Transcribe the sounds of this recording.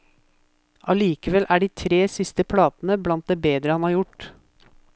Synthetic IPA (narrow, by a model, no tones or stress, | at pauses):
ʔɑliːkəʋɛlʔæːɖiːt̪ʰɾeːsɪst̪əpʰlɑːt̪n̩əblɑnt̪̚d̪eːbeːd̪ɾəhɑnhɑːɾjʊʈ